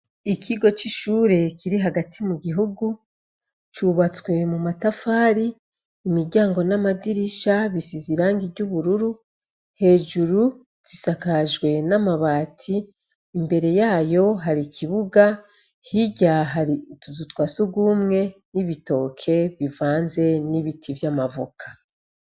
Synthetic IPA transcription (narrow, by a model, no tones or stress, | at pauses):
ikʰiɡo̞t͡ʃiʃuːɾe̞kʰiɾiɦaɡatʰimuɡiɦuɡu | t͡ʃuβat͡swe̞mumatafaːɾiː | miɾɟaːŋɡo̞namadiɾiʃaβisiziɾaːŋɡiɾɟuβuɾuɾu | he̞ːʒuɾu | z̥isakaʒɡwe̞namaβaːtʰiː | mbe̞ɾe̞jaːjo̞ɦaɾicʰiβuɡa | hiɟaɦaɾiuzutwasuɡuːmŋe̞niβito̞ːkʰe̞βivaːnze̞niβitʰivjamavukʰḁ